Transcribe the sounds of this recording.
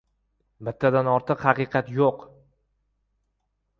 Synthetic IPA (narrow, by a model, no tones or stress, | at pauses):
bɪt̪ʰːad̪anɒɾt̪ʰɨqhɑqɨqʰɑt̪joq